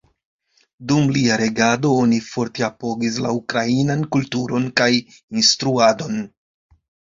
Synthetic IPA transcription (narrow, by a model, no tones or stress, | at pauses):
dumliaɾe̞ɡado̞onifo̞ɾte̞apo̞ɡis̬laukɾainankultuɾo̞nkaj | instɾuado̞n